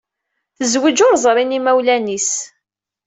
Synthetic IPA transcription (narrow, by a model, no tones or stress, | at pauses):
θəzwid͡ʒʊɾzˤɾˤɪnimæwlænis